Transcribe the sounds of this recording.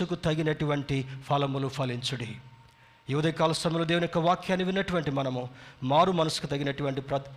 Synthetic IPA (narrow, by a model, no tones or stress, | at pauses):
ukut̪ɐɡinɐʈuʋɐɳʈipʰɐlɐmulupʰɐliɲt͡ʃuɽi | juːd̪ɐkaːlɐst̪ɐmjɐlod̪eːʋunikːɐʋaːkjaːnːiʋinːɐʈuʋɐɳʈimɐnɐmumaːɾumɐnɐsu̥kut̪ɐɡinɐʈuʋɐɳʈipɾɐ